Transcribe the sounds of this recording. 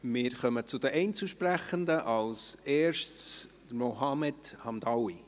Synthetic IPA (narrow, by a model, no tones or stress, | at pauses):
mɪːɾχœmət͡sʊd̥̪əʔɛɪnt͡suʃpræχənd̪əʔɑlsɛːɾʃtt͡s | moɦɑmɛdhɑmd̪ɑwi